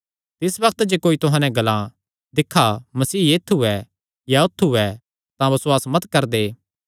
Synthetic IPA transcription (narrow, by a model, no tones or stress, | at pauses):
t̪ɪsbɐk̚t̪d͡ʒekoːit̪ʊɦãːnɛ̃ɡɐlã | d̪ɪkʰːamɐsiːjeːt̪ʰuɛ | jaʊt̪ʰːuɛ | t̪ãbɐswaːsmɐt̪kɐɾd̪eː